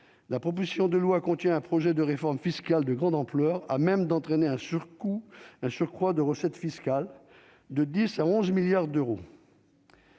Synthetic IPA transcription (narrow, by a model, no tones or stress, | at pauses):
lapχɔp̬ozisjɔ̃d̪əlwakɔ̃t̪jɛ̃ɛ̃pχɔʒɛd̪əʁefɔʁmfiskald̪əɡʁɑ̃d̪ɑ̃plœʁa̰mɛmd̪ɑ̃t̪χɛneɛ̃syʁkuɛ̃syʁkχwad̪əʁəsɛt̪fiskʲal | d̪əd̪isaɔ̃zmiljaʁd̪øʁo